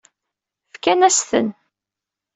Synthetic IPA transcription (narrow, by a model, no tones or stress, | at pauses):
fkænæsθə̰n